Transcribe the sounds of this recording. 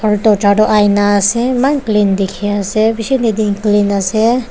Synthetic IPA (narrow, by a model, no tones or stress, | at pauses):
pʰɔɾutɔt͡ʃaɖɔʔajnaːsemanklind̪ikʰeasebisinid̪iŋklinase